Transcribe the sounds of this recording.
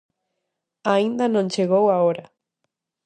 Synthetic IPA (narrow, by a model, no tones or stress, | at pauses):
aind̪anõnt͡ʃeɣowaoɾa